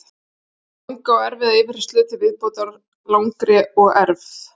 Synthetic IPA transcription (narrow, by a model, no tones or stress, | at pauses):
lawŋkawɛɾvɪðaɪvɪɾ̥st̪lʏːt̪ɪvɪðpoːwt̪aɾ | lawŋkɾɛɔɣɛɾvθ